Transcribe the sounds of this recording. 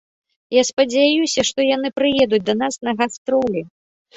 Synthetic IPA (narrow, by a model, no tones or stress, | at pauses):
jaspɐd͡zʲajusʲɐʂt̪ɔjan̪ɨpɾɨjɛd̪ud͡zʲd̪ɐnasnɐɣast̪ɾɔlʲi